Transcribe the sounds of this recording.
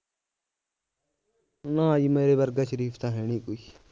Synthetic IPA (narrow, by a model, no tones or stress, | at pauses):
nãːiːmeːɾeːbəɾɡaʃəɾiːfʰt̪ãːɦeːɳiːkoːi